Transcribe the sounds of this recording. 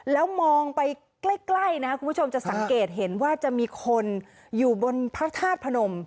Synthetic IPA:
lɛː˦˥wmɔː˧ŋpa˧j | kla˥˩jkla˥˩jna˦˥ku˧npʰt͡ɕʰo˧mt͡ɕa˨˩sa˩˦ŋkeː˨˩t̪̚ɦe˩˦nwaː˥˩t͡ɕa˨˩ʔmiː˧kʰo˧n | juː˨˩bo˧npʰa˦˥k̚t̪ʰaː˥˩t̪̚pʰa˧no˧m

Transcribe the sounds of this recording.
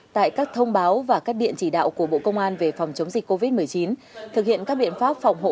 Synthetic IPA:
t̪a̰ː˧˨jkaː˦˥k̚t̪ʰə˧wŋ͡mɓaː˨˦wvaː˨˩kaː˦˥k̚ɗḭ˧˨ənt͡ɕi˧˩ɗa̰ː˧˨wku˧˩əɓo̰˧˨kə˧wŋ͡mʔaː˧nve˨˩fa˨˩wŋ͡mt͡ɕə˨˦wŋ͡mzï˨˩k̟̚ko˧vi˦˥t̚mɨ˨˩əjt͡ɕi˨˦nt̪ʰɨ˨˩k̚hḭ˧˨ənkaː˦˥k̚ɓḭ˧˨ənfaː˦˥p̚fa˨˩wŋ͡mɦo̰˧˨

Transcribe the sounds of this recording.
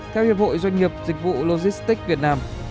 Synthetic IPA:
t̪ʰɛ˧whi˨˩əp̚ho̰˧˨jzwa˧jŋ̟ŋi˨˩əp̚zï˨˩k̟̚vṵ˧˨lo˧zi˦˥st̪ï˦˥k̚vi˨˩ət̚naː˧m

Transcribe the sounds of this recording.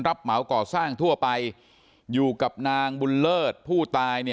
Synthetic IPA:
nɾa˦˥p̚ma˩˦wkɔː˨˩saː˥˩ŋt̪ʰu˥˩ɐpa˧j | juː˨˩ka˨˩p̚naː˧ŋbu˧nlɤː˥˩t̪̚pʰuː˥˩t̪aː˧jni˥˩

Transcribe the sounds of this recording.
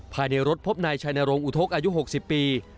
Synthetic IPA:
pʰaː˨˩jna˧jɾo˦˥t̪̚pʰo˦˥p̚naː˧jt͡ɕʰaː˧jnaː˧ɾo˧ŋʔu˨˩t̪ʰo˦˥k̚ʔaː˧ju˦˥ɦo˨˩k̚si˨˩pːiː˧

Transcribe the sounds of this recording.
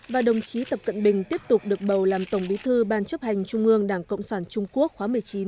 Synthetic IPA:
vaː˨˩ɗə˨˩wŋ͡mt͡ɕi˨˦t̪ə˨˩p̚kə̰˧˨nɓï˨˩ŋ̟t̪i˦˥əp̚t̪ʊ˨˩k͡p̚ɗɨ˨˩ək̚ɓə˨˩wlaː˨˩mt̪ə˧˩ŋ͡mɓi˨˦t̪ʰɨ˧ɓaː˧˩nt͡ɕə˦˥p̚ha˨˩jŋ̟t͡ɕʊ˧ŋ͡mʔɨ˧əŋɗaː˧˩ŋkə̰˧˨wŋ͡msaː˧˩nt͡ɕʊ˧ŋ͡mku˦˥ək̚xwaː˨˦mɨ˨˩əjt͡ɕi˨˦n

